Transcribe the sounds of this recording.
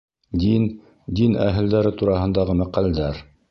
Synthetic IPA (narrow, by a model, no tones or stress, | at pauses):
d̪in | d̪inæ̰ɦɘ̆ld̪æɾɘt̪uɾɑɦɤ̆nd̪ɑʁɤmæqæld̪æɾ